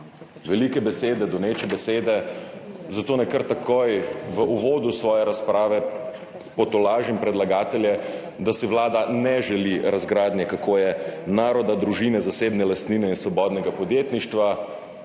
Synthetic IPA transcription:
ʋɛlikɛbɛseːd̪ɛd̪ɔneːt͡ʃɛbɛseːd̪ɛ | zat̪oːnɛkəɾt̪akʰojʋəʔuʋoːd̪usʋɔːjɛɾaspɾaːʋɛ | pɔt̪ɔlaːʒimpɾɛd̪laɡaːt̪ɛljɛ | d̪asɛʋlaːd̪anɛʒɛliɾazɡɾaːd̪nʲjɛkakoːjɛnaːɾɔd̪ad̪ɾuʒinɛzaseːbnɛlast̪niːnɛinsʋɔbɔːd̪nɛɡapɔd̪jeːt̪niʃt̪ʋa

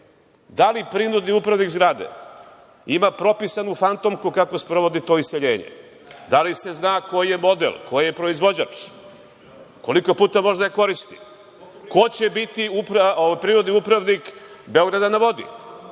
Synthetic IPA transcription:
d̪alipɾinud̪niupɾaʋnikzɡɾaːd̪ḛ | imapɾo̞pisanufant̪omkukako̞spɾo̞ʋo̞d̪it̪o̞iseʎe̞ːɲḛ | d̪alise̞znaːko̞jijemo̞d̪ḛlko̞jijepɾo̞izʋo̞d͡ʑat͡ʃ | ko̞liko̞puːt̪amo̞ʒd̪ajeko̞ɾist̪i̥ | ko̞t͡ɕebit̪iupɾaoʋajpɾiːɾud̪niupɾaʋnikbeoɡɾad̪anaʋo̞d̪ḭ

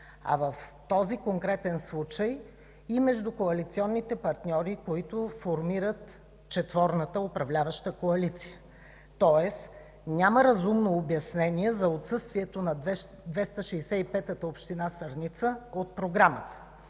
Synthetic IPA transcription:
ɐ̰vəft̪ɔzikoŋkɾɛt̪ɛnslˠut͡ʃəj | imɛʒd̪ukoɐlit̪siɔnːit̪ɛpɐɾt̪nʲɔɾikoit̪ofoɾmiɾət̪ | t͡ʃɛt̪vɔɾnət̪əopɾɐvlʲavəʃt̪əkoɐlit̪si̥jə | t̪ɔɛs | nʲaməɾɐzumnoːbjɐsnɛnʲiɛzɐot̪sɤst̪viɛt̪onɐd̪ɛ | d̪vɛst̪əʃɛjsɛipɛt̪ət̪əopʃt̪inasɐɾnʲit̪səot̪̚pɾoɡɾamət̪ə̥

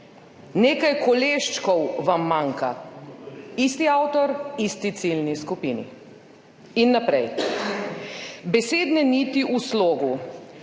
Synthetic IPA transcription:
neːkajkɔleʃt͡ʃkɔwʋamːaŋka̰ | ist̪iawt̪ɔɾist̪it̪silniskupinḭ | inːapɾɛj | bɛseːd̪nɛnit̪iʔusloːɡu

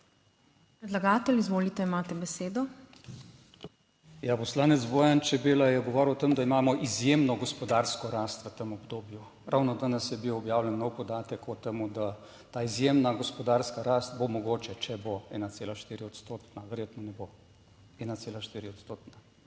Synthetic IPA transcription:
pɾɛd̪laɡaːt̪ɛlizʋoːlit̪ɛimaːt̪ɛbɛseːd̪ɔ | japɔslaːnɛt̪zboːjant͡ʃɛbeːlajɛɡɔʋɔːɾiwt̪emud̪aimaːmɔʔizjemnɔɡɔspɔd̪aɾskɔɾaːst̪ʋət̪emɔbd̪oːbju | ɾʔawnɔd̪anɛsjɛbiwɔbjaːwlɛnːɔwpɔd̪aːt̪ɛkɔt̪emud̪a | t̪aːizjemnaɡɔspɔd̪aɾskaɾast̪bomɔɡoːt͡ʃɛt͡ʃɛboɛ̰ːnat̪seːlaʃt̪iːɾiɔt̪st̪oːt̪naʋɛɾjeːt̪nɔnɛbo | ɛːnat̪seːlaʃt̪iːɾiɔt̪st̪oːt̪na

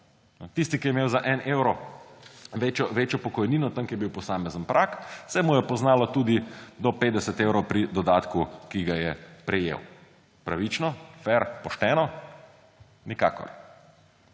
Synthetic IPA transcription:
nɔt̪ist̪ikijɛmeːwzaʔɛneːwɾɔ | ʋeːt͡ʃjɔʋeːt͡ʃjɔpɔkɔjniːnɔt̪əŋkjɛbiwpɔsaːmɛzənpɾʔaksɛmujɛpɔznaːlɔt̪uːd̪id̪ɔpeːd̪ɛsət̪ewɾɔwpɾid̪ɔd̪aːt̪kukiɡajɛpɾɛjḛw | pɾaʋit͡ʃnɔfɛɾpɔʃt̪ɛːnɔ | nika̰ːkɔ̰ɾ

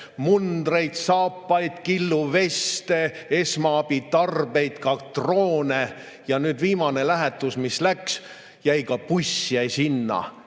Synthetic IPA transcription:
mund̪re̞jd̪sɑːpːɑjd̪̥kilːuve̞st̪e̞e̞smɑɑbit̪ɑrbe̞jt̪kɑt̪roːne | jɑnyːd̪viːmɑne̞læɦɛt̪ːˑusmislæks | jæjkɑpusːiɛjsinːɑ̰

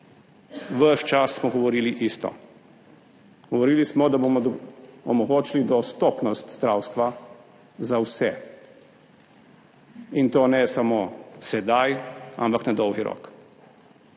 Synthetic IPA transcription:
ʋəʃt͡ʃasːmɔɡɔʋɔɾiːliʔist̪ɔ̰ | ɡ̥ɔʋɔɾiːlismɔd̪abomɔɔmɔɡoːt͡ʃilid̪ɔst̪ɔpnɔst̪zd̪ɾawst̪ʋa | zawsɛ | int̪oːnɛsamosɛd̪aja̰mpaknad̪ɔwɡiɾɔ̰k

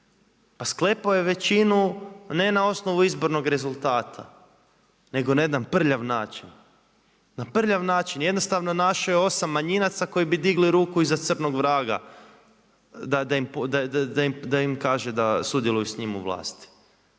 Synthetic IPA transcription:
pasklˠe̞paoje̞ʋe̞t͡ʃinune̞nao̞sno̞ʋuizbo̞ɾno̞ɡɾe̞zulˠt̪aːt̪ʰa̰ | ne̞ɡo̞ned̪anpr̩ʎaʋnaːt͡ʃin | napr̩ʎaʋnaːt͡ʃinje̞d̪no̞st̪aʋno̞naʃojeo̞samːaɲinat̪sako̞jibid̪iɡliɾuːkuizat̪sɨr̩noɡʋɾaːɡa̰ | d̪ad̪aimpd̪aaaimd̪aimkaːʒed̪asud̪jelujusɲimṵʋlˠa̰ːst̪i̥

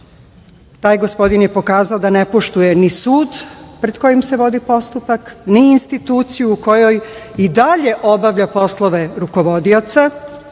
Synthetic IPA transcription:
t̪aːjɡo̞spo̞d̪injepo̞kaːzaod̪ane̞po̞ʃt̪ujenisuːd̪pɾe̞d̪ko̞jimse̞ʋo̞d̪ipo̞st̪upakniːnst̪it̪uːt̪sijuːko̞jo̞jid̪aʎe̞ʔo̞baʋʎapo̞slˠoʋe̞ɾuko̞ʋo̞d̪io̞t̪sa

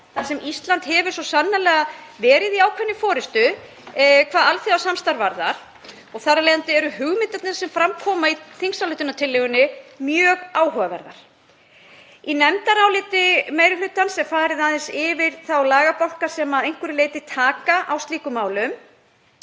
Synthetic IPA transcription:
θasɛmist̪lant̪hɛvʏsɔsanːalɛːɣavɛːɾɪðiaːwkʰvɛnːʏfɔːɾɪst̪ʏ | kʰvaːðalθiawsamst̪aɾvaɾðaɾ̥ | ɔɣθarːalejant̪ɪɛɾʏhɦʏɣmɪt̪ɛt̪nɪsɛmfɾamkʰɔːmaiθiŋsawlɪht̪ʏnat̪ʰɪlːɪɣʏnːɪmjœːɣaːwɦœːvavɛ̰ɾða̰ɾ̥ | inɛmt̪aɾawlɪːt̪ɪmejɾɪflʏt̪ansɛmfaːɾɪðaðɪnsɪvɪɾ̥θawlaːɣapawl̥kasɛmaðejŋ̥kʏɾɪleːjt̪ɪt̪ʰaːkaʔawst̪liːkʏmaːwlʏm

